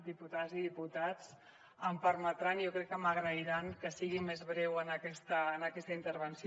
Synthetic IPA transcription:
d̪iput̪aziðiput̪at͡s | əmpəɾmət̪ɾanjokɾɛkːəməɣɾəiɾaŋkəsiɣimezβ̞ɾɛwənəkɛst̪əːnəkɛst̪əint̪əɾβ̞ənsi

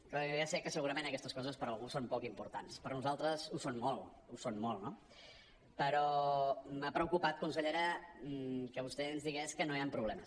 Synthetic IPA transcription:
klajasɛkːəsəɣuɾəmenəkɛst̪əskɔzəspəɾəlˠɣusompɔkimpuɾt̪anspəɾnuzalˠt̪ɾəzusonmolˠ | usonmolˠno | pəɾɔmapɾəukupat̪̚kunsəʎeɾə | kəβust̪eənzðiɣɛskənoiampɾuβlɛməs

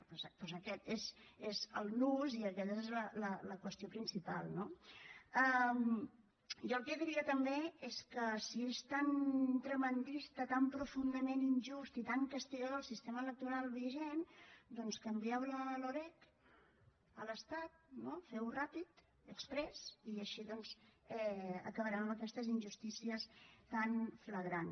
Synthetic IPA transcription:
pɔpɔzəkɛt̪ezezəlˠnuziəkɛt̪əezlələləkwəst̪iopɾinsipa̰lˠno | əm | ʒɔlˠkɛðiɾiət̪əmbeeskəsiest̪ant̪ɾəmənd̪ist̪ət̪ampɾufund̪əmeninʒust̪it̪aŋkəst̪iɣəðoəlˠsist̪emələk̚t̪uɾalˠβiʒend̪ɔnskəmbiawləloɾɛk | ələst̪at̪̚nofɛwrapit̪ | əkspɾɛziəʃiðɔnzɛə̰kəβəɾaəməkɛst̪əzinʲʒust̪isiəst̪anfləɣɾan

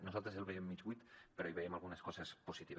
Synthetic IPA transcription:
nusalˠt̪ɾeselβeiemːid͡ʒit̪peɾoiβeiemalˠɣuneskɔsesposit̪iβ

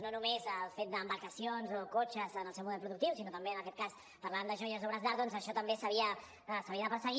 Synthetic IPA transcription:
nonumezəlˠfet̪̚d̪əmbəɾkəsijonzokot͡ʃəzənəlˠsɛwmuðɛlpɾuðukt̪iwsinot̪əmbeənəkɛt̪̚kas | pəɾlaand̪əʒɔjəzoβɾəzðaɾðɔnzəʃɔt̪əmbesəβiə | səβiəðəpəɾsəɣi

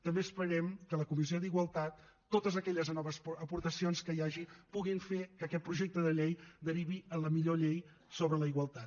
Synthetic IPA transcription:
t̪əmbeəspəɾɛmkələkumizioðiɣwəlˠt̪at̪ː | ot̪əzəkɛʎəznɔβəsəpuɾt̪əsionskəjaʒipuɣiɱfekəkɛt̪̚pɾuʒek̚t̪əðəʎejd̪əɾiβiələmiʎoʎej | soβɾələiɣwəlˠt̪at̪

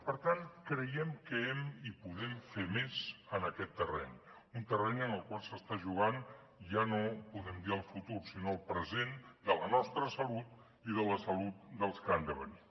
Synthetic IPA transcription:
pəɾt̪ankɾəjɛmkəɛmipuðɛmfemezənəkɛt̪ːərɛ̰ɲ | unt̪ərɛɲənəlˠkwalˠsəst̪aʒuɣ̞an | ʒanopuðɛmd̪iəlˠfut̪ursinoəlˠpɾəzend̪ələnɔst̪ɾəsəlut̪̚ | iðələsəlut̪̚d̪əlˠskəand̪əβə̰ni

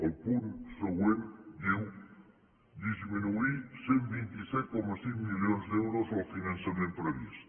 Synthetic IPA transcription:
olpuɾsoweβdew | d̪izminuisembĩnt̪isɛt̪̚komasiŋmiljonzðewɾosalfinãnsaɾẽmpɾeβis

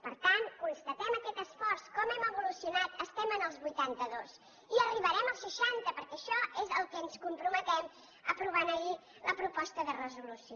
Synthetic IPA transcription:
pəɾt̪ankunst̪ət̪ɛməkɛt̪əsfɔrskɔmɛməβulusiunat̪əst̪ɛmənəlˠzβujt̪ant̪əðos | iəriβəɾɛməlˠsʃəʃant̪əpəɾkɛəʃɔezəlˠkɛənskumpɾumət̪ɛm | ə̰pɾuβ̞anəi | ləpɾupɔst̪əðərəzulusio

